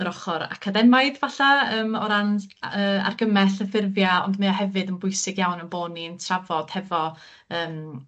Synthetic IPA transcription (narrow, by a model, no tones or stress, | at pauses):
əɾɔχɔɾa̰kʰadɛmaɨðvaɬaəːmɔɾanəːa̰rɡəmɛɬəfɪrvjaɔ̰ndmɛɔɦɛvɨdənbʊɨsɪɡjawnənboːniəntʰravɔd̥hɛvɔ | əːm